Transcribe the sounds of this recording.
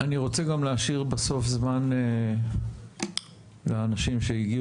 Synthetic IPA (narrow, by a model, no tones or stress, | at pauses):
aniʁo̞t͡seɡamleaʃiʁbaso̞fzmane | leanaʃimʃeiɡi